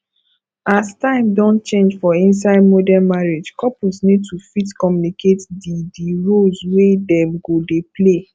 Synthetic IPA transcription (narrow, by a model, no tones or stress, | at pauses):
astãɪ̃mdɔ̃ntt͡ʃẽnd͡ʒfɔĩns̬aɪdmodɛmaɹed͡ʒkɔpusnid̚tʰufitkɔmjunikʰetdidiɹolswedɛ̃mɡodeple